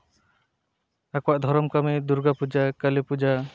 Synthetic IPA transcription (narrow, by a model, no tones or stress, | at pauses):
akɔwaʔd̪ʱɔɾɔmkamɛd̪uɾɡapud͡ʒakəlepud͡ʒa